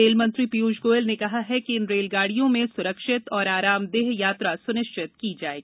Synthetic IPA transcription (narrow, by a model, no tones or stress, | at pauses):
eːlmɐ̃nt̪ɾipiuːd͡ʒɡoːɪlnekɐɦaɦɛkiɪnɾeːlɡaːɽijõmẽsʊɾəkʃɪt̪ɔːɾaːɾaːmd̪eːɦjaːt̪ɾasʊnɪʃt͡ʃɪt̪kid͡ʒaːḛːɡiː